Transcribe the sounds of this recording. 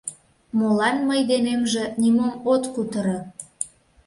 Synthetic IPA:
molɑnməjd̪enemʒĕnimomot̪kut̪əɾə

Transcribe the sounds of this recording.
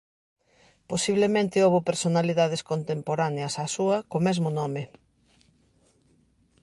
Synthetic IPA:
posiβlemẽnt̪ɪoβʊpeɾsonaliðað̞ɪskont̪empoɾaneɐsasuɐkomɛzmʊnɔmɪ

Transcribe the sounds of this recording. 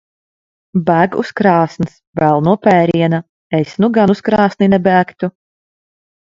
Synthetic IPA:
bæːɡṵskɾɑːsnɨsvælˠnuɔpʲɛːɾiɛna | esnuɡanuskɾɑːsninɛbæːkt̪u

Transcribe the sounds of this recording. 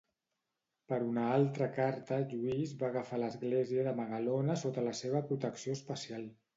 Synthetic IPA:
pəɾunəalˠt̪ɾəkaɾt̪əʒuizβaɣəfaləzɣleziəðəməɣəlonəsot̪ələseβ̞əpɾut̪əksioəspəsialˠ

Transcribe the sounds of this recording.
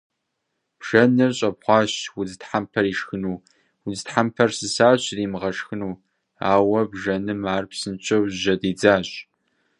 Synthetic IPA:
b̥ʒ̥ɐnɨrɕʼɐbχʷɑːɕwʊzɨtħampʰɐɾiːʂxɨnuː | wuzɨtħampʰɐrsɨsaːɕriːmɨʁɐʂxɨnuː | aːwɐbʒɐnɨmaːrpsɨnt͡ʃʰʼɐwʒɐdiːd͡zaːɕʼ

